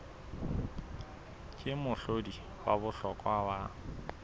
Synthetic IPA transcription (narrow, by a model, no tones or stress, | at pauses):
kʼɪmʊɬodi | waβʊɬɔkʼwawa